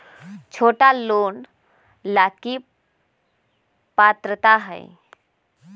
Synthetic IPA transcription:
t͡ʃʰoːʈaloːn | laːki | pat̪ɾət̪aɦə̰ɪ̰

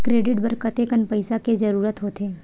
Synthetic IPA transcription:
kɾeːɖɪʈbɐɾkət̪ekənpɐɪsaked͡ʒɐɾuːɾət̪ɦoːt̪eː

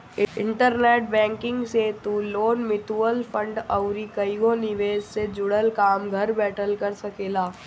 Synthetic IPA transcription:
ɪɪ̰̃ɳʈəɾneːʈ̚bɛ̃ːŋkɪ̃ŋɡset̪uːloːnmɪʈuəlfʰə̃ɳɖɐʊɾikɐiɡõnɪʋeːd͡ʒsed͡ʒʊɽəlkaːmɡʱɐɾbɛːʈəlkɐɾsɐkeːlaː

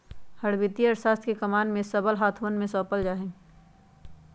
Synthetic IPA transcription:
hɐɽbɪt̪iəɾsaːst̪kekɐmaːnmẽsɐbəlɦaːt̪ʰʋənmẽsɔːpəld͡ʒaːɦẽ

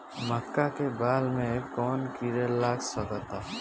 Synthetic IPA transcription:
məkːakebaːlmẽkɔːnkiɾelaːksəkət̪aː

